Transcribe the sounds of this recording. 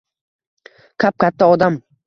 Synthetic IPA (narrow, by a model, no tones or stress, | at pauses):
kʲʰap̚kʰʲat̪ʰːaɒd̪am